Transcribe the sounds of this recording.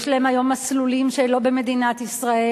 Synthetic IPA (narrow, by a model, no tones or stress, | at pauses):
ʃlahemajo̞maslulimʃelobeme̞d̪inat̪isʁae